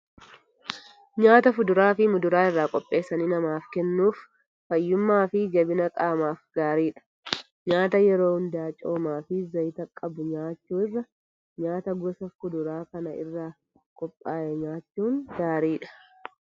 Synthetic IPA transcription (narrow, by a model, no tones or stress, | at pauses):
ɲaːt̪ɐfʊd̪ʊɾaːfɪmʊd̪ʊɾaːɪrːaːkʼɔpʼːe̞ːsːɐniːnɐmaːfkɛnːuːfː | ɐjːʊmːaːfɪd͡ʒɐbɪnɐkʼaːmaːfɡaːɾiːᶑɐ̥ | ɲaːt̪ɐjɛɾo̞ːhʊnd̪aːt͡ʃʼo̞ːmaːfɪzɐjɪt̪ɐkʼːɐbʊɲaːt͡ʃːuːɪrːɐ | ɲaːt̪ɐɡɔsɐfʊd̪ʊɾaːkɐnɐɪ̰rːaː | kʼɔpʼːaːʔɛɲaːt͡ʃːuːŋɡaːɾiːᶑɐ̥